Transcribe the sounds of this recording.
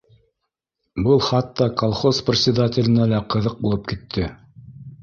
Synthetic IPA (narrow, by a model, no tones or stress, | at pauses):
bɤlˠχɑt̪ːɑkolˠχosprʲɪt̪sʲɪd̪atʲɪ̆lʲɘ̆nælæqɤ̆ðɤq̚bulˠɤp̚kit̪ʰːɘ